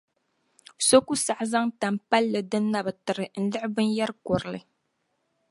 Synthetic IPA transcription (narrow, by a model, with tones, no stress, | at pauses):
so˦ku˦sa˨ʔza˦ŋta˨mpa˦lːɨ˨dɨ˦nːa˨bɨ˨tɨ˨ɾɨ˨n̩˦lɨ˦ʔbɨ˦nja˦ɾkɔ˨ɾɨ˨lɨ̰˨